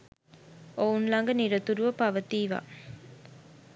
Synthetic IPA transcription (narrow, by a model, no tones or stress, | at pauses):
ounlaŋɡəniɾət̪uɾuʋəpaʋət̪iːʋa̰